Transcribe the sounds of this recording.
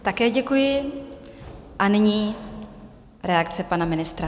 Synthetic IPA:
t̪akɛːɟɛkujɪ | ʔanɪɲiː | ɾɛakt͡sɛpanamɪnɪst̪ɾa

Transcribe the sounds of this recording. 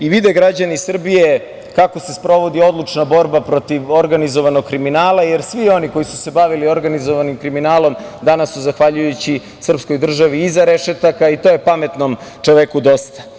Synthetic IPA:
iʋid̪eɡɾad͡ʑanisr̩bije | kakose̞spɾo̞ʋo̞d̪io̞d̪lˠut͡ʃnabo̞ɾbapɾo̞t̪iʋoɾɡanizoʋanoɡ̚kːɾiminaːlˠajeɾsʋio̞niko̞jisu̥se̞baʋilio̞ɾɡanizoʋanimkɾiminaːlˠo̞md̪anasːuzaxʋaʎujut͡ɕi | sr̩psko̞jd̪r̩ʒaʋiːzaɾe̞ʃet̪akait̪o̞ːjepame̞t̪nomt͡ʂoʋekud̪o̞st̪ḁ

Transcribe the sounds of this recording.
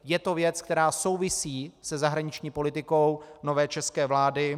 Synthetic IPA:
jɛt̪o̞vjɛt͡skt̪ɛɾaːso̞wvɪsiːsɛzaɦɾaɲɪt͡ʃɲiːpo̞lɪt̪ɪko̞wno̞vɛːt͡ʃɛskɛːvlaːdɪ

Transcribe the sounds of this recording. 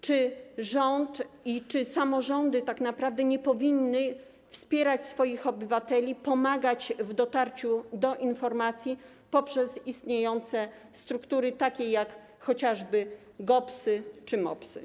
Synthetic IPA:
t͡ʂɘʐɔnt̪it͡ʂɘsamɔʐɔnd̪ɘt̪aknapɾavd̪ɛɲɛpɔvʲinːɘ | fspʲjɛɾat͡ɕsfɔjixɔbɘvat̪ɛlʲipɔmaɡat͡ɕvd̪ɔt̪aɾt͡ɕud̪ɔʔinfɔɾmat̪sʲji | pɔpʂɛsist̪ɲejɔnt̪sɛ | st̪ɾukt̪uɾɘt̪akʲejak | xɔt͡ɕaʐbɘ | ɡɔpsɘt͡ʂɘmɔ̰psɘ̰

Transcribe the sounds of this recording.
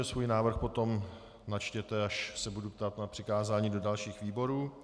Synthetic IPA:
ɛsvuːjnaːvr̩xpo̞t̪o̞m | nat͡ʃcɛt̪ɛaʃsɛbudupt̪at̪napr̝̥ɪkaːzaːɲiːdo̞dalʃiːxviːbo̞ɾuː

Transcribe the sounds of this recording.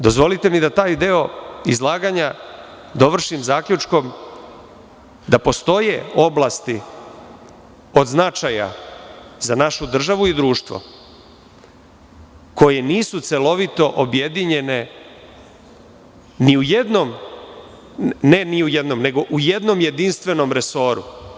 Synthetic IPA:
d̪o̞zʋo̞lit̪e̞mid̪at̪aːjd̪eo̞izlˠaːɡaɲa | d̪o̞ʋr̩ʃimzaːkʎut͡ʃko̞m | d̪apo̞st̪o̞jeo̞blˠast̪i | o̞d̪znat͡ʃaja̰ | zanaʃud̪r̩ʒaʋuid̪ɾuːʃt̪ʋo̰ | ko̞je̞niːsut̪selo̞ʋit̪o̞ʔobje̞d̪iɲe̞ne̞ | niujed̪nom | neniujed̪no̞mne̞ɡo̞ʔuje̞d̪no̞mje̞d̪inst̪ʋe̞no̞mɾe̞so̞ːɾṵ

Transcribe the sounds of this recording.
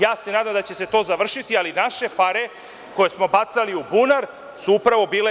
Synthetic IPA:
jaːse̞naːd̪amd̪at͡ɕe̞se̞t̪o̞ːzaʋr̩ʃit̪ialinaʃe̞paɾe̞ | ko̞je̞smo̞bat̪saliubunaɾ | suupɾaʋo̞biːle

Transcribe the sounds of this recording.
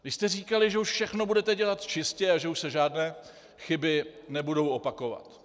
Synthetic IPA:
ɡɪʃst̪ɛriːkalɪʒɛuʃfʃɛxnobudɛt̪ɛɟɛlat̪t͡ʃɪscɛaʒɛuʃsɛʒaːdnɛː | xɪbɪnɛbudo̞wʔo̞pako̞va̰t̪

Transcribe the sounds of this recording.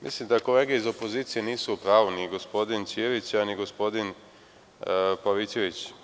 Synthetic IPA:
mḭslimd̪ako̞le̞ːɡeizo̞po̞ziːt̪sije̞niːsuupɾaːʋuniɡo̞spo̞d̪int͡ʃ̪ieʋit͡ɕaniɡo̞spo̞d̪in | paʋit͡ʃeʋit͡ɕ

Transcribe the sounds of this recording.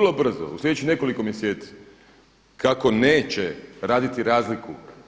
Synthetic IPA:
lˠo̞br̩zo̰ṵslʲedet͡ʃine̞ko̞likomjeseːt̪si̥ | kako̞ne̞ːt͡ɕeɾaːd̪it̪iɾaːzliku

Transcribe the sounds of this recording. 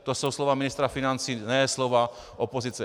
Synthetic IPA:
t̪osowslovamɪnɪst̪ɾafinant͡siːnɛslova | ʔopozit͡sɛ

